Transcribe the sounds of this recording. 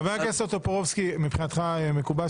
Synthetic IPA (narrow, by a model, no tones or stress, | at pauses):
veakeset̪opoʁovskimipχinat̪χaemekuba